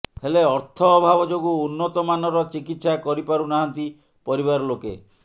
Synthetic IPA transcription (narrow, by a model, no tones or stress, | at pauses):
heleɔɾt̪ʰɔːbʱabɔd͡ʒoɡuːnːɔt̪ɔmanɔɾɔt͡ʃikit̪sakɔɾipaɾunaɦant̪i | pɔɾiβaɾɔlokḛ